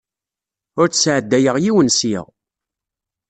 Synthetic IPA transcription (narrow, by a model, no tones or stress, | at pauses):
ʊɾt͡sːsʕəd̪ːæjəʁjiwənsḭʁ